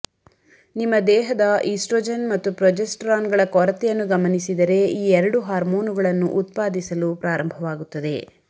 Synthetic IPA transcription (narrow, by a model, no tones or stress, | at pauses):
nimːɐd̪ɛːɦɐd̪ɐʔiːsʈɾoːd͡ʒɐnmɐt̪ːupɾɔd͡ʒesʈɾaːnɡɐɭɐkɔɾɐt̪ɛjɐnːuɡɐmɐnisid̪ɐɾe̞iːɛɾɐɽuɦaːɾmoːnuɡɐɭɐnːuʔːt̪̚paːd̪isɐlupɾaːɾɐmbʱɐʋaːɡut̪ːɐd̪e̞̰